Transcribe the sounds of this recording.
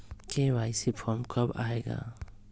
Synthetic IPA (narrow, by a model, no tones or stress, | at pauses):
kewajsipʰɔɾmkʰɔba̰eɡa̰